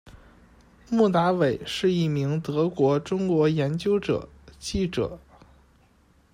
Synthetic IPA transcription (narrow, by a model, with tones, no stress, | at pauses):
mu˥˩t̪a˧˥we˨˩ɪʂɻ̩˥˧i˥˩mi˧˥ŋt̪ɤ˧˥kwɔ˧˥ʈ͡ʂʊ˥ŋkwɔ˧˥jɛ˧˥nt͡ɕjo˥ʊʈ͡ʂɤ̰˨˩˦t͡ɕi˥˩ʈ͡ʂɤ̰˨˩˦